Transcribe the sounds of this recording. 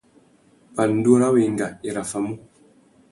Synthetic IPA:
pa˨n̩˦du˦ɾa˦we˨ŋɡa˨i˨ɾa˨fa˨mu˦

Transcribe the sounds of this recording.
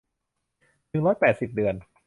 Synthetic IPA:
nɯ˨˩ŋɾɔː˦˥jpɛː˨˩t̪̚si˨˩p̚dɯ˨˩ən

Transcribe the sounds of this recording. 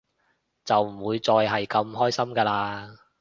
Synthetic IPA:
t͡sɐ˨wm̩˨˩wuː˨˧jt͡sɔː˧jɦɐ˨jkɐ˧mɦɔː˥jsɐ˥mkaː˧laː˧

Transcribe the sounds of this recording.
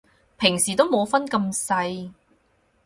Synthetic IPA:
pʰɪ˨˩ŋsiː˨t̪o˥wmo˨˧wfɐ˥nkɐ˧msɐ˧j

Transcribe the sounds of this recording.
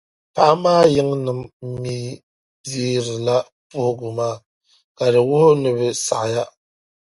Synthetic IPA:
pa˦ʔa˦maː˦jɪ˦ŋnɨ˨m˦miː˨˦ | biː˦ɾɨ˨la˦ | pʊ˦hʊ˦ɡʊ˨maː˦˨ | ka˨dɨ˨wʊ˦hʊ˦nɨ˦˨βɨ˨sa̰˨ʔja˦

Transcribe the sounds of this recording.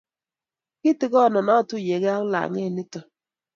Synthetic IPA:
kɪ˦tɪ˨kɔ˦˨nɔ˨nɔ˦˨tʊ˦˨je˨ɣa˦la̰˨ŋe˦˨nɪ˦tɔ˨

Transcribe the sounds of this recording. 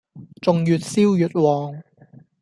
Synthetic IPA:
t͡sʊ˨ŋjyː˨t̚siː˥wjyː˨t̚wɔː˨ŋ

